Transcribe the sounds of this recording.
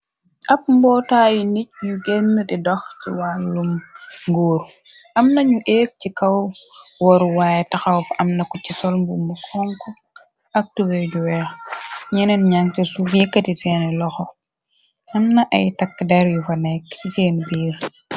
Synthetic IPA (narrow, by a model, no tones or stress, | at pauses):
ʔɐp̚mbɔːtaːjinic̚juɡenːətidɔxciwalːumŋɡoːɾ | ʔɐmnɐɲuʔeːk̚cikɐwwɔɾuwaːjɛtɐxɐwfɐmnɐkucisɔlmbumukʰɔŋkɔ | ɐk̚tubɛjduwɛxɲɛnɛnɲaŋtɛsufjikːɐtisɛːnɛlɔxɔ | ʔɐmnɐʔɐjtɐkːdɛɾjufɐnɛkːsiseːnbiːɾ